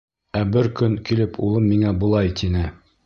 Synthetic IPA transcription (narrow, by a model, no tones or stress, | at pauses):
æbɘɾkɵŋkilɘpulˠɤmːiŋæbŏlˠɑjt̪ʰinɘ